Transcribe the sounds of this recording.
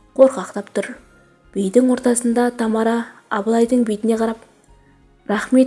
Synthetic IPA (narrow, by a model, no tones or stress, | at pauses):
qʰo̞ɾqɑqt̪ɑpt̪ʰʊɾ | b̥ejd̪ɪŋwo̞ɾt̪ɑsənd̪ɑt̪ʰɑmɑɾɑːblˠɑjd̪əɴbejt̪ɪne̞qʰɑɾɑp | ɾɑχme̞t̪